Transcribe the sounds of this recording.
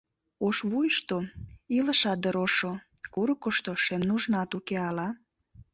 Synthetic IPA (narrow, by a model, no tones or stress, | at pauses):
oʃβujəʃt̪oilə̆ʃɑt̪̚d̪əɾoʃo | kuɾəkoʃt̪oʃemnuʒnɑt̪ukeɑlɑ